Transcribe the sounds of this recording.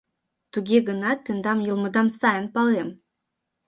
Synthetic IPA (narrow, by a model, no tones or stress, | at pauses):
t̪uɡʲeɡə̆nɑt̪ːĕnd̪ɑmjɤ̆lˠmɤ̆d̪ɑnsɑjə̆npɑlem